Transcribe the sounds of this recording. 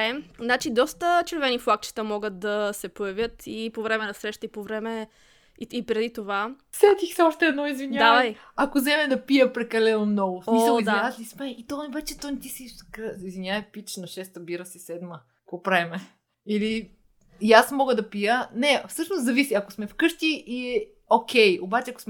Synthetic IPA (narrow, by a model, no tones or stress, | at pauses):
ɛznat͡ʃid̪ɔst̪ət͡ʃɛɾvɛnifˠak̚t͡ʃi̥t̪əmɔɡət̪̚d̪ɐsɛpojɐvʲjət̪ʰipovɾɛmɛnɐsɾɛʃt̪əipovɾɛmɛ | ipɾɛd̪it̪ova | sɛt̪ixsɛɔʃt̪ɛːd̪nɔizviɲʲad̪aaɐj | ɐkozɛmɛd̪ɐpijəpɾɛkɐlɛnomnɔɡosmisəlizd̪aiazlismɛit̪ɔnvɛt͡ʃɛt̪ɔnt̪isikɾizvinʲavɐpit͡ʃnoʃɛst̪ɐbiɾəsisɛd̪mə | popɾɛmɛ | ili | jasmɔɡəd̪ɐpijənɛfsɤʃnost̪zɐvisiɐkosmɛfkɤʃt̪iʔiɛ | okʰʲɛjobat͡ʃɛɐko̥sm